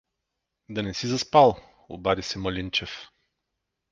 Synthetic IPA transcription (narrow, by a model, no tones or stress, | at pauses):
d̪ɐnɛsizɐspalˠ | o̰bad̪isɛmɐlʲint͡ʃɛf